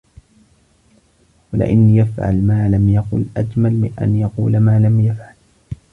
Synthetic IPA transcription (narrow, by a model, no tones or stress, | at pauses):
walɪ̰ʔa̰nːjafʕa̰lmaːlamjɑqʊ̰lʔad͡ʒmalmɪnʔa̰njɑquːlmaːlamjafʕal